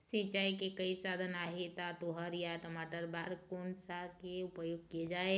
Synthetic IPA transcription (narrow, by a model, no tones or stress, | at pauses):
sit͡ʃaikekəisad̪ʱənaɦet̪at̪oɦəɾjaʈəmaʈəɾbaɾkonsakeʊpəjoːɡkijed͡ʒaːe